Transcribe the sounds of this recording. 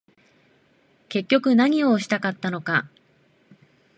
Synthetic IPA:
ke̞kʲːo̞kɯ̟naɲ̟io̞ɕi̥t̪akat̪ːano̞ka

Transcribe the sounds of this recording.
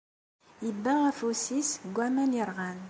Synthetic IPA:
ibːææfusisɡʷæmæniɾˤʁan

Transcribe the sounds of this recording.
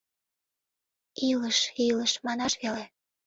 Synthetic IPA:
iləʃiləʃmɑnɑʃβele

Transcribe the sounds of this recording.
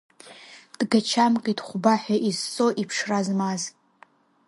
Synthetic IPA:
d̥ɡat͡ʃʰamkʼitʰʼχʷʊbaħaʔizt͡sʼoʔipʰʂrazmaz

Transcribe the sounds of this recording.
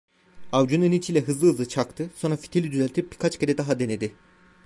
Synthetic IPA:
avd͡ʒununit͡ʃʰilʲɛɦɯzlˠɯɯzˠɯt͡ʃʰakt̪ʰɯso̞nɾafi̥t̪ʰelʲid̪yzælʲt̪ʰip̚bikʰat͡ʃceɾɛd̪aɦad̪e̞ned̪ɪ

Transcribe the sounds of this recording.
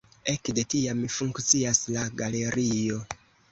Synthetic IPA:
e̞kde̞tiamfuŋkt͡siaslaɡale̞ɾʔio̞

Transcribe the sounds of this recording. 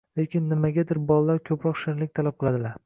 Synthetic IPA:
le̞kʲʰɪnːɪmaɡʲad̪ɪɾbɒlalːaɾkʲʰɵpɾɒqʃɪnlɪk̚ʲt̪ʰalap̚qʰɨlˠad̪ɪlaɾ

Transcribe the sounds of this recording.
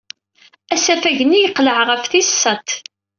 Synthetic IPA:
æsæfæʝənijəqːləʕʁəfθisːət̪

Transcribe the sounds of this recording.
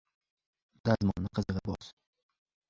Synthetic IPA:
d̪̥azmɒnːɪqʰɨzɨʁɑbɒ̰z̥

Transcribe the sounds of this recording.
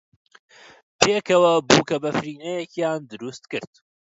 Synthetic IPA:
pʰeːkʰɐwɐbuːkʰɐbɐfɾiːnɛjɛcjaːnd̪ɨɾust̪kɨɾt̪

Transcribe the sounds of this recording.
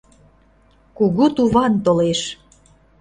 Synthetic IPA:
kuɣut̪uβɑnt̪oleʃ

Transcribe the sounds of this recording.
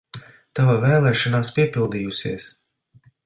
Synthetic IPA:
t̪avavɛːlˠɛːʃɔnaːspiɛpilˠd̪ijusiɛəs

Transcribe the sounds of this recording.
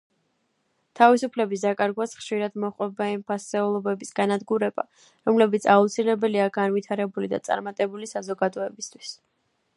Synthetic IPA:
t̪ʰavisupʰlɛbis̬d̪akʼaɾɡwasχʃiɾad̪mɔχʼwɛbaimpʰasɛulˠɔbɛbisɡanad̪ɡuɾɛba̰ | ɾɔmlɛbit̪sʰaut̪sʰilɛbɛliaɡanvit̪ʰaɾɛbulid̪a̰t̪sʼa̰ɾmat̪ʼɛbulisazɔɡad̪ɔɛbist̪ʰw̥is

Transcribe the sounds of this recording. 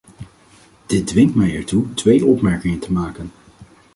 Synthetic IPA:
d̥ɪt̚dʋɪŋtmɛjɛɹtutʋejʔɔpmɛɹkɪŋəntʰəmaːkən

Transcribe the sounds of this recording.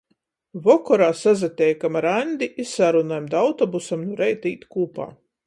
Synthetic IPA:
vɔkɔɾaːsazat̪ʲɛjkamaɾanʲd̪ʲiʔissaɾunajmd̪awt̪ɔbusamnuɾɛjt̪iːt̪kuːpa̰ː

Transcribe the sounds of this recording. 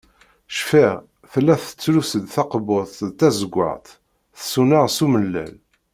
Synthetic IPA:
ʃfiʁ | θəlːæθə̥t͡sːlusəd̪θɑqboθˤt̪æzəɡʷːə̰ʁt̪ | θsunaʁsuməlːæ̰l

